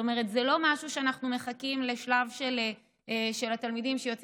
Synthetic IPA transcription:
omeʁ̞etzɛlo̞maʃuʃeanaχnumeχakimle̞ʃlavʃele | ʃelat̪almidimʃejot͡s

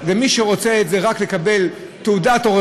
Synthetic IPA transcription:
vemiʃeʁo̞t͡seetzeʁakle̞kabe̞l | t̪eudat̪oʁ

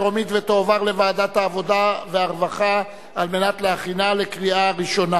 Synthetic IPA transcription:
ʁomit̪vet̪oːvaʁlevaːd̪at̪haːvo̞daveaʁvaχa | alme̞nat̪leaχinale̞kʁiaʁiʃo̞na

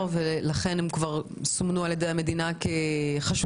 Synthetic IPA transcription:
velaχe̞nemkvaʁ | somnualjedejame̞d̪inakeχaʃ

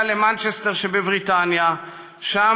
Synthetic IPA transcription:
lemant͡ʃesteʁʃebevʁitanja | ʃa

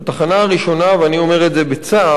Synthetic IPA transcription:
at̪aχanaaʁiʃo̞naveanio̞me̞ʁetze̞bet͡sa

